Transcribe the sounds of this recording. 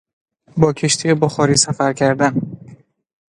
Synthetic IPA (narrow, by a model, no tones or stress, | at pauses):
bɒːcʰe̞ʃt̪ʰijeboxɒːɾiːsæfæɾcʰæɾd̪æn